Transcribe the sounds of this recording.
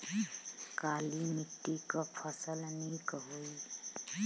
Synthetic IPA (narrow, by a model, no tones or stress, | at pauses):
kalimit̪ːikəpʰəsəlnikɦoi